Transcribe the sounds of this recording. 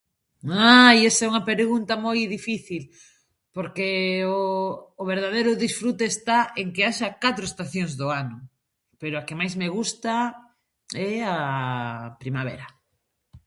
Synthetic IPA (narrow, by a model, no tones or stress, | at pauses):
ajesɛuŋapeɾɣunt̪amojðifiθil | poɾkeoːβeɾð̞að̞ejɾʊðisfɾut̪eːst̪aeŋkeaʃakat̪ɾoest̪aθjoŋzðoanʊ | peɾoakemajzmeɣ̞ust̪a | ɛa | pɾimaβ̞ḛɾa